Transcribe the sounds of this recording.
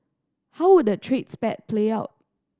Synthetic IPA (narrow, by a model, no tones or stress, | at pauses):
haʊwʊd̚dətʰɹetspɛt̚pʰleaʊt̚